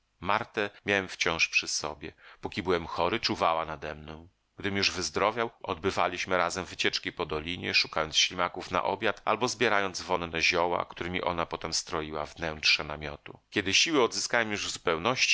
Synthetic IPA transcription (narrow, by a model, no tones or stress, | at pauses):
maɾt̪ɛmʲjawɛmft͡ɕɔ̃w̃ʂpʂɘsɔbʲjɛpukʲibɘwɛmxɔɾɘt͡ʂuvawanad̪ɛmnɔ̃w̃ | ɡ̥d̪ɘmjuʐvɘzd̪ɾɔvʲjawɔ̰d̪̚bɘva̰lʲiɕmɘɾazɛmvɘt͡ɕɛt͡ʂkʲipɔd̪ɔlʲiɲɛ̰ʂu̥kajɔnt̪sɕlʲimakufna̰ʔɔ̰bʲjat̪a̰lbɔzbʲjɛɾajɔnd̪zvɔnnɛʑɔwa̰kt̪uɾɘmʲiʔɔnapɔt̪ɛmst̪ɾɔjiwavnɛntʂɛnamʲjɔt̪ukʲɛd̪ɘɕiwɘɔd̪zɘskawɛmjuʐzupɛwnɔɕt͡ɕi̥